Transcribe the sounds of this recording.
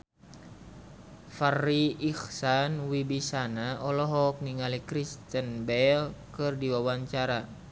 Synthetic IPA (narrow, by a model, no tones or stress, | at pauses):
fariːxsanwibisanaʔɔlɔɦɔk̚niŋalikɾist̪ənbɛlkɨrdiwawaɲt͡ʃaɾa